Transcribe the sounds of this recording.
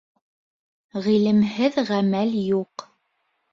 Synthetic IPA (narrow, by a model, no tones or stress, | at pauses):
ʁilɘ̆mɦɘðʁæmæljuq